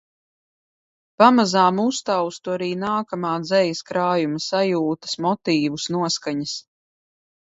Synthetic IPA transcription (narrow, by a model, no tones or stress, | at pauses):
pamazaːmust̪awst̪uaɾiːnaːkamaːd̪zɛjiskɾaːjumɐsajuːt̪ɐ̥smɔt̪iːvusnuɔskaɲəs